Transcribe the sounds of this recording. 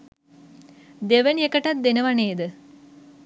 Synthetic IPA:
d̪eʋɐnekɐʈɐt̪̚d̪enɐʋɐneːd̪ɨ

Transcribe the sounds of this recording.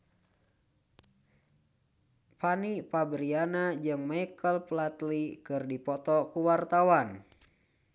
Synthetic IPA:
panipabɾianad͡ʒɨŋmajkəlplat̪likɨrdipɔt̪ɔkuwart̪awan

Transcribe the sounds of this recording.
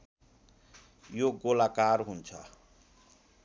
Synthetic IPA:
joɡolakarɦunt͡sʰʌ̰

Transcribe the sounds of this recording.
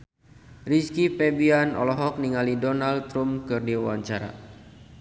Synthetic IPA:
riskipɛbianɔ̰lɔɦɔk̚niŋalidɔnalt̪ɾumkɨrdiawaɲt͡ʃaɾa̰

